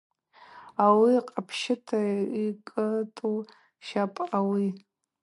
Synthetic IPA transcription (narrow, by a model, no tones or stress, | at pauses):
awiqʼapʰʃɪtʰaikʼɨtʼu | ʃapʼawi